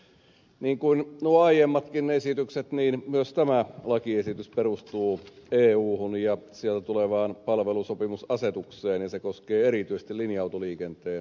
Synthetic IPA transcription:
niːŋkuinnuoɑijemːɑt̪kinneesit̪ykset̪niːnmyøst̪æmælɑkiesit̪ysperust̪uːeːuːhunjɑsielt̪æt̪uleʋɑːnpɑlʋelusopimusɑset̪ukseːnjɑnsekoskeːeɾit̪yise̥st̪ilinjɑwt̪oliːkent̪eːn

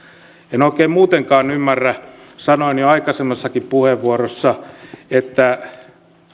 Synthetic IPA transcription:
enoikeːmmuːt̪eŋkɑːnymːærːæ | sɑnoinjoɑikɑsemːesːɑkippuheʋːuorosːɑet̪ːæ

